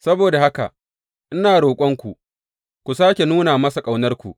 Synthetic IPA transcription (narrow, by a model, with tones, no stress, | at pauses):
sɐ˦boː˨da˨ha˦ka̰˨ | ʔɪ˦naː˨ɽoː˨kʷʼɐ˦ŋkʷu˨ | kʷu˨saː˦kʲe˨nuː˦naː˨mɐ˦sa˨kʼa˨wnɐ˦rkʷṵ˨ʔ